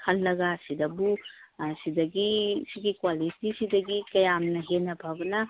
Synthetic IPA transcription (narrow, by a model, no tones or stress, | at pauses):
kʰɐlːɐɡasidɐbusidɐɡisiɡikwalitisidɐɡikɐjamnɐɦenɐbʱabɐnɐ